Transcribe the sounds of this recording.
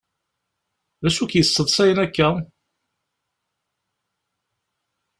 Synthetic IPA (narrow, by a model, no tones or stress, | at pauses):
ðæsukjəsːəðˤsæjənækːæ